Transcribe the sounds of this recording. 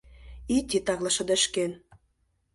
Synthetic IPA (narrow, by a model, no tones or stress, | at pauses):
it̪ʲit̪ɑɣlɑʃɤ̆d̪ə̆ʃken